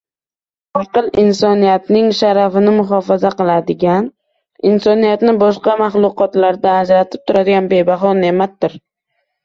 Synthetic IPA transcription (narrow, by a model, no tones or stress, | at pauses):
ɒqɨlˠɪnsɒnijat̪nɪŋʃaɾafɪnɪmʊχɒfazaqɨlˠad̪ɪɡʲan | ɪnsɒnijat̪nɪbɒʃqɑmaχlˠʊqɒt̪laɾd̪aːd͡ʒɾat̪ʰɪ̥p̚t̪ʰʊɾad̪ɪɡʲanbe̞baɦɒne̞mat̪̚d̪ɪɾ